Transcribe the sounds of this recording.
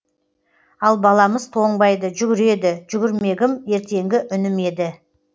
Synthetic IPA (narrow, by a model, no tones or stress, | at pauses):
ɑlˠbɑlˠɑməzt̪ʰo̞ɴbɑjd̪əʒʏɡʲɪɾe̞d̪ɪʒʏɡʲɪɾme̞ɡʲɪmje̞ɾt̪e̞ŋɡʲɪʔʏnɪme̞d̪ɪ